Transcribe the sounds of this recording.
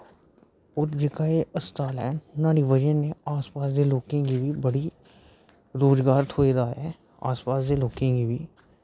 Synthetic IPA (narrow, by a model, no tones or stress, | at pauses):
ɔːɾd͡ʒɪkaːeːʔəst̪aːlɛːnnãːɽiʋəd͡ʒənːeaːspaːsd̪eːloːkẽkibʱibəɽi | ɾoːzɡaːɾt̪ʰoːed̪aːjɛ | a̰ːspaːsd̪eloːkẽːɡibʱiː